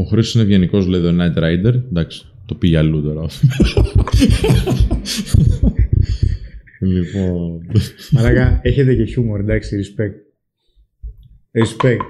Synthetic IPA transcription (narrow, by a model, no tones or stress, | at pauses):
oxɾeosinevʝeniko̞zleðiðonɐt̪ɾɐjd̪eɾnd̪ɐksi̥t̪opiʝɐlut̪o̞ɾɐo | lipo | ɐlɐkɐeçet̪̬e̞ce̞çumoɾed̪ɐksiɾispek̚t̪̚ | ɾispek̚t̪